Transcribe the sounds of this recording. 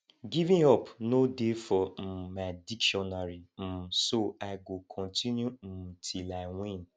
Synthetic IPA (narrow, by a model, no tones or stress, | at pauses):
ɡivĩɔpnodefɔm̩madikʃɔnaɾim̩soaɡokʰɔ̃ntʰĩnjum̩m̩tʰilawĩn